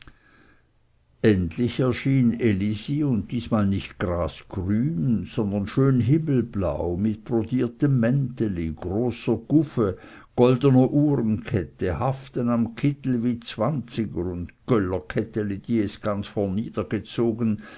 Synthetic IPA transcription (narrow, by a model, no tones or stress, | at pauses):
ʔɛntlɪçɛɐʃiːneliziʊnt̚d̥iːsmaːlnɪçtɡ̥ʁaːsɡ̥ʁyːnz̥ɔnd̪ɐnʃøːnɦɪml̩bla̰ʊmɪt̚b̥ʁodiːɐtəmːɛntəliɡ̥ʁoːsɐɡ̥ʊfə | ɡ̥ɔldənɐʔuːʁənkʰɛtəhaftənamkʰɪtl̩viːt͡sv̥ant͡sɪɡəɾʊndɡ̥œlɐkʰɛtəlid̥iːɛsɡ̥ant͡sfɔɐnːiːd̥ɐɡ̥ət͡soːɡən